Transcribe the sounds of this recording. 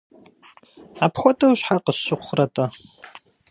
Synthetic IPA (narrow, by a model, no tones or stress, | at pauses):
apʰχʷatʼawʃħaqʼəɕːɨqʷʰratʼa